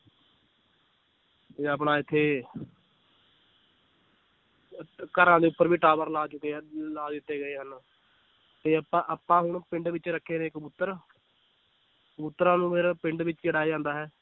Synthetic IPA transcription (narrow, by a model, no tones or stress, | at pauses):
t̪eəp̬ɽaːɪt̪ʰːeː | kəɾãːd̪eːʊpːəɾʋiːʈaːbəɾlaːt͡ʃʊkeːlaːd̪ɪt̪ːeːɡəeːɦən | t̪eːəpãːʔəpːãːɦʊɳpɪ̃ɳɖʋɪt͡ʃɾəkʰːeːnẽːɪkbʊt̪ːəɾ | bʊt̪ːɾãːnũːpʰeːɾpɪɳɖʋɪt͡ʃt͡ʃəɽaːid͡ʒãːnd̪aːɦɛː